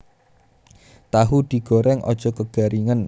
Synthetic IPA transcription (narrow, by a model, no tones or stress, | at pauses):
t̪aɦud̪̥i̤ɡ̥ɔɾɛŋʔɔ̰d̥ʒ̥ɔ̤kəɡ̥a̤ɾiŋən